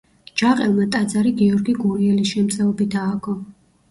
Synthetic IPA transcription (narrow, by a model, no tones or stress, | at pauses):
d͡ʒaqʼɛlˠmat̪ʼad̪zaɾiɡiɔɾɡiɡuɾiɛlisʃɛmt̪sʼɛɔbid̪aːɡɔ